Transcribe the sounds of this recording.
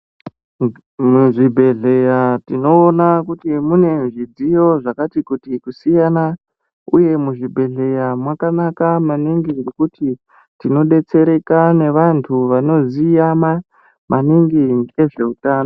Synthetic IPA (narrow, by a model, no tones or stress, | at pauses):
muʐibʱe̞ɮe̞jatino̞ːnakutimune̞nʐid͡zijo̞ʐakatikutikusijana | uje̞muʐibʱe̞ɮe̞jamwakanakamaniŋɡiŋɡekuti | tino̞ɗe̞t͡se̞ɾe̞kane̞ʋantʰuʋano̞zijama | maniŋɡiŋe̞ʐe̞utaːno